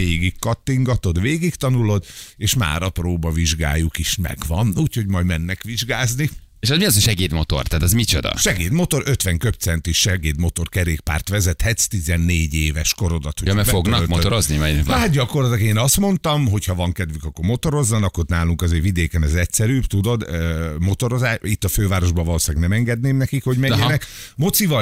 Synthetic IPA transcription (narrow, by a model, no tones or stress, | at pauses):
eːɡikːɒt̪ːiŋɡɒt̪o̞d̪ʋeːɡikt̪ɒnulo̞d̪eːʃma̰ːɾɒproːbɒviʒɡa̰ːjukiʃmɛ̰ɡʋɒnuːcho̞ɟmɒjmɛnːɛkʋiʒɡaːzni | eːʃɛzmiɒzeʃɛɡeːt̪mo̞t̪o̞̰rt̪aːt̪ɛzmit͡ʃod̪ɒ̰ʃɛɡeːd̪mo̞t̪o̞ɾʔø̞t̪ʋɛŋkøp̚t̪sɛnt̪iʃʃɛɡeːd̪mo̞t̪o̞rkɛɾeːkpa̰ːrt̪ʋɛzɛt̪hɛt̪st̪izɛnːeːɟeːvɛʃko̞ɾo̞d̪ɒt̪hojmɛfoɡnɒmot̪oɾoznimɛɦad̪̚ɟɒko̞rlɒt̪ɒkeːnɒst̪mo̞nt̪ɒmɦo̞chɒvɒŋkɛd̪ʋykɒkːoɾmo̞t̪o̞ɾo̞zːɒnɒkːornaːluŋkɒzeːrvid̪eːkɛnɛzɛcsɛɾyːbt̪ud̪o̞d̪mo̞t̪o̞ɾo̞zaːit̪ːɒføːvaːɾo̞ʒbɒvɒloːsaːɡnɛmɛŋɡɛd̪neːmnɛkikho̞ɟmɛɲɛnɛkmo̞t̪sivɒ